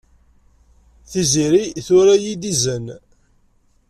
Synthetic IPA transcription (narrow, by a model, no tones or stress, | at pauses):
θiziɾiθʊɾajid̪izən